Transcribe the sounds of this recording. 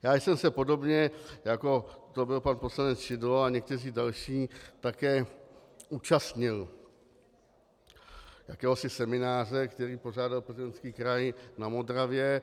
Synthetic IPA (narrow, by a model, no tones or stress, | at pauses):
jaːjsɛmsɛpo̞do̞bɲɛjako̞t̪obɪlpanpo̞slanɛt͡sʒɪdloaɲɛk̚t̪ɛr̝iːdalʃiːt̪akɛː | ʔuːt͡ʃast̪ɲɪl | jakɛːɦo̞sɪsɛmɪnaːr̝ɛkt̪ɛɾiːpo̞ʐ̝aːdalprzɪdɛnskiːkɾajnamo̞d̪ɾavjɛ